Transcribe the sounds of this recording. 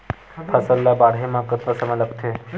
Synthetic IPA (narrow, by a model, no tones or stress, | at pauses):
t̪ʰasəlːabaɽɦemakət̪ɾəsəmaləkt̪ʰe